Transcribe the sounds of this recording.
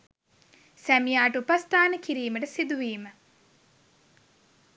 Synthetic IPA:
sæmijaːʈəupast̪aːnəkiɾiːməʈəsid̪uʋiːmə

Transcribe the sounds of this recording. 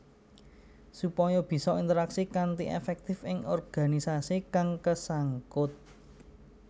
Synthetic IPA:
supɔjɔb̥i̤sɔint̪əɾaksikant̪iʔḛfɛk̚t̪ɪfɪŋɔrɡ̥a̤nisasikaŋkəsaŋkʊt̪̚

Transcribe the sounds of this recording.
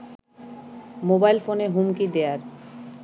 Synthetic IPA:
mobajlfoneɦumkid̪eaɾ

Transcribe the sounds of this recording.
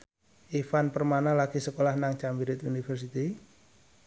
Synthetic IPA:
ʔifanpərmanalaɡ̥isəkolahnaŋt͡ʃambiɾɪt̪unifərsit̪i

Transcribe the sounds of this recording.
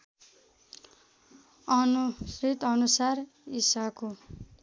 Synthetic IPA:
ʌnurit̪ʌnusar | isako

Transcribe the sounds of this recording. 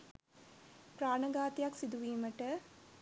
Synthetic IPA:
pɾaːɳɐɡaːt̪jaksid̪uʋiːmɐʈɐ

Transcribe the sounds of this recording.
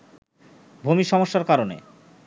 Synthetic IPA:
bʱumiʃɔmoʃːaɾkaɾonḛ

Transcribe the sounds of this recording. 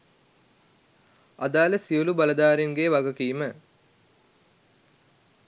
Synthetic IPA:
ad̪aːləsiolubɐlɐd̪aːɾeŋɡeʋaɡɐkiːmə

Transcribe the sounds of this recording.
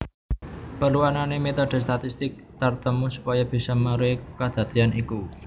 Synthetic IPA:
pərluananemet̪ɔɖ̥ɛ̤st̪at̪ist̪ɪk̚t̪ərt̪əmusu̥pajɔb̥i̤sɔməɾekad̪̥ä̤t̪ianʔiku

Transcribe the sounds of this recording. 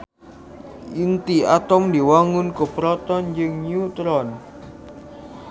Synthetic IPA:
ʔint̪iat̪ɔmd̪i̤waŋʊnkopɾɔt̪ɔnd͡ʒəŋnjut̪ɾɔn

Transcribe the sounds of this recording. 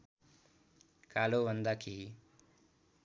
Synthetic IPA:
kalobʱʌnd̪akʰi

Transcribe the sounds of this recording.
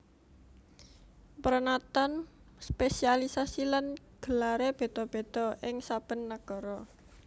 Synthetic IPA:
pəɾənat̪an | spesialisasilan | ɡ̥ə̤laɾeb̥e̤t̪ɔb̥e̤t̪ɔʔɪŋsab̥ə̤nːaɡ̥ɔ̤ɾɔ

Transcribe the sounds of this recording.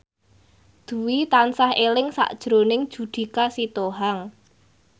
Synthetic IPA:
d̪̥ṳwit̪ansahelɪŋsa̰ʔd̥ʒ̥ɾonɪŋd̥ʒ̥ṳd̪̥i̤kasit̪oɦaŋ

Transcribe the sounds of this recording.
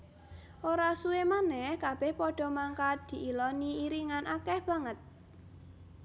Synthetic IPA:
ʔoɾasuemanɛhkab̥ɛhpɔɖ̥ɔ̤maŋkad̪̥i̤ʔilɔniiɾiŋanʔakɛhb̥ä̤ŋət̪̚

